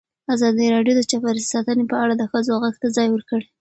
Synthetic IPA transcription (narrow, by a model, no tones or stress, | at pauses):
azɑd̪əɾɑɖjod̪ət͡ʃapaɾsi̥sɑt̪ənepəaɽad̪əxəzoɣaɡt̪azɑjwəɾkəɽe